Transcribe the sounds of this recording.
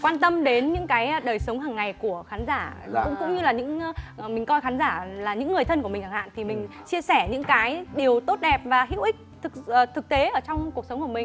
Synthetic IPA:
kwaː˧nt̪ə˧mɗe˨˦nɲɨ̰˧˥ŋkaː˨˦jɗəː˨˩jsə˨˦wŋ͡mɦaː˨˩ŋːa˨˩jku˧˩əxaː˨˦nzaː˧˩ʊ̰˧˥ŋ͡mkʊ̰˧˥ŋ͡mɲɨ˧laː˨˩ɲɨ̰˧˥ŋ˧˨˩mï˨˩ŋ̟kɔ˧jxaː˨˦nzaː˧˩laː˨˩ɲɨ̰˧˥ŋːɨ˨˩əjt̪ʰə˧nkəm˨˩ŋhʰaː˨˩ha̰ː˧˨nt̪ʰi˨˩mï˨˩ŋ̟t͡ɕi˧əsɛ˧˩ɲɨ̰˧˥ŋkaː˨˦jɗi˨˩əwt̪o˦˥t̚ɗɛ˨˩p̚vaː˨˩ɦḭ˧˥wʔï˦˥k̚t̪ʰɨ˨˩kːt̪ʰɨ˨˩k̚t̪e˨˦ʔəː˧˩t͡ɕɔ˧wŋ͡mku˨˩ək̚sə˨˦wŋ͡mku˧˩əmï˨˩ŋ

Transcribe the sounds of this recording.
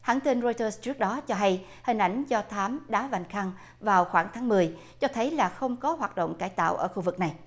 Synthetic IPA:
haː˧˩nt̪i˧nzɔ˧jt̪əː˧st͡ɕɨ˦˥ək̚ɗɔ˨˦t͡ɕɔ˧ɦa˧j | hï˨˩ŋ̟ʔa˧˩jŋ̟zɔ˧t̪ʰaː˨˦mɗaː˨˦va˨˩jŋ̟xa˧ŋ | vaː˨˩wxwaː˧˩ŋt̪ʰaː˨˦ŋmɨ˨˩əj | t͡ɕɔ˧t̪ʰə˨˦jlaː˨˩xə˧wŋ͡mkɔ˨˦ɦwaː˨˩t̚ɗo̰˧˨wŋ͡mkaː˧˩jt̪a̰ː˧˨wʔəː˧˩xu˧vɨ˨˩k̚na˨˩j

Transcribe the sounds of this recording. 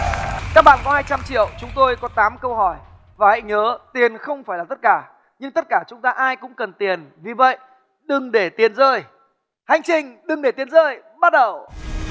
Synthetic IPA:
kaː˦˥k̚ɓa̰ː˧˨nkɔ˨˦haː˧jt͡ɕa˧mt͡ɕḭ˧˨əwt͡ɕʊ˨˦ŋ͡mt̪o˧jkɔ˨˦t̪aː˨˦mkə˧wɦɔ˧˩j | vaː˨˩hə̰˧˨jŋəː˨˦t̪i˨˩ənxə˧wŋ͡mfaː˧˩jlaː˨˩t̪ə˦˥t̚kaː˧˩ | ɲɨ˧ŋt̪ə˦˥t̚kaː˧˩t͡ɕʊ˨˦ŋ͡mt̪aː˧ʔaː˧jkʊ̰˧˥ŋ͡mkə˨˩nt̪i˨˩ənvi˨˩və̰˧˨j | ɗɨ˨˩ŋɗe˧˩t̪i˨˩ənzəː˧j | ha˨˩jŋ̟t͡ɕï˧ŋ̟ɗɨ˨˩ŋɗe˧˩t̪i˨˦ənzəː˧j | ɓa˦˥t̚ɗə˨˩w

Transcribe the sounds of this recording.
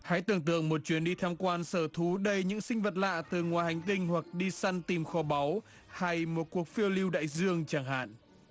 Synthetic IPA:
ha̰˧˥jt̪ɨ̰˧˩əŋt̪ɨ̰˧˨əŋmo˨˩t̚t͡ɕwi˨˦ənɗi˧t̪ʰaː˧mkwaː˧nsəː˧˩t̪ʰu˨˦ɗə˧jɲɨ̰˧˥ŋsï˧ŋ̟və˨˩t̚la̰ː˧˨t̪ɨ˨˩ŋwaː˨˩jha˨˩jŋ̟t̪ï˧ŋ̟hwa˨˩k̚ɗi˧sa˧nt̪i˨˩mxɔ˨˦ɓa˨˦w | ha˧jmo˨˩t̚ku˨˩ək̚fi˧əwli˧wɗa̰ː˧˨jzɨ˧əŋt͡ɕaː˧˩ŋɦa̰ː˧˨n

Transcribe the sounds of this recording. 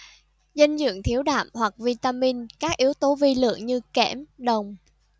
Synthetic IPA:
zə˧ŋzɨ̰˧˨əŋt̪ʰi˨˦əwɗa̰ː˧˨mhwa˨˩k̚vi˧t̪aː˧mi˧nkaː˦˥k̚ʔi˨˦əwt̪o˨˦vi˧lɨ̰˧˨əŋɲɨ˧kɛ˧˩mɗə˨˩wŋ͡m

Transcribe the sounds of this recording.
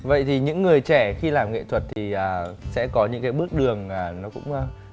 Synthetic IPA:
və̰˧˨jt̪ʰi˨˩ɲɨ̰˧˥ŋːɨ˨˩əjt͡ɕɛ˧˩xi˧laː˨˩mŋḛ˧˨t̪ʰwə˨˩t̚t̪ʰi˨˩ʔəː˨˩sɛ̰˧˥kɔ˨˦ɲɨ̰˧˥ŋkaː˨˦jɓɨ˦˥ək̚ɗɨ˨˩əŋaː˨˩nɔ˨˦kʊ̰˧˥ŋ͡m

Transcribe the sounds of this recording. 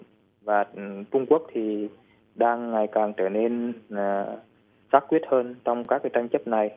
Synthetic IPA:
vaː˨˩t͡ɕʊ˧ŋ͡mku˦˥ək̚t̪ʰi˨˩ | ɗaː˧ŋːa˨˩jkaː˨˩ŋt͡ɕəː˧˩ne˧nː˨˩ | saː˦˥t̚kwi˦˥ət̚həː˧nt͡ɕɔ˧wŋ͡mkaː˦˥kːt͡ɕa˧ŋ̟t͡ɕə˦˥p̚na˨˩j

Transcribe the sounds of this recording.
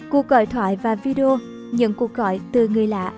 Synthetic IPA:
ku˨˩ək̚ɣɔ̰˧˩jt̪ʰwa̰ː˧˩˦jvaː˨˩vi˧ɗe˧o˧ | ɲɨ̰˧˥ŋku˨˩ək̚ɣɔ̰˧˩jt̪ɨ˨˩ŋɨ˨˩əjla̰ː˧˥

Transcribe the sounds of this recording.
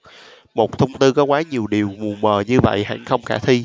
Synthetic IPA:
mo˨˩t̚t̪ʰə˧wŋ͡mt̪ɨ˧kɔ˨˦kwaː˨˦ɲi˨˩əwɗi˨˩əwmu˨˩əməː˨˩ɲɨ˧və̰˧˨jha̰˧˨nxə˧wŋ͡mxaː˧˩t̪ʰi˧

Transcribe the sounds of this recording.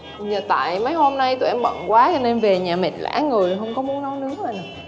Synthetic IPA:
ɲə˨˩t̪a̰ː˧˨jmə˨˦jho˧mna˧jt̪ṵ˨˧˩ʔɛ˧mɓə̰˧˨nkwaː˨˦t͡ɕɔ˧ne˧nve˨˩ɲaː˨˩mḛ˨˩la̰ː˧˥ŋɨ˨˩əɦə˧wŋ͡mkɔ˨˦mu˨˦ənɗɔ˨˦wnɨ̰˧˥əmaː˨˩n˨˩

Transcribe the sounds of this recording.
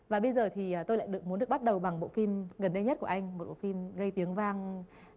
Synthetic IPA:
vaː˨˩ɓə˧jzəː˨˩t̪ʰiː˨˩˨t̪o˧jla̰ː˧˨jɗɨ˨˩ək̚mu˨˦nɗɨ˨˩əɓt̚ɗə˨˩wɓa˨˩ŋɓo̰˧˨fi˧mɣə˨˩nɗə˧ɲə˦˥t̚ku˧˩əʔa˧jŋ̟mo˨˩t̚ɓo̰˧˨fi˧mɣə˧jt̪i˨˦əŋvaː˧ŋ

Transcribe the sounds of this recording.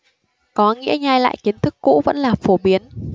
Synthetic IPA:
kɔ˨˦ŋḭ˧˥əɲaː˧jla̰ː˧˨jki˨˦ənt̪ʰɨ˦˥kːṵ˧˥və̰˧˥nlaː˨˩fo˧˩ɓi˨˦ən

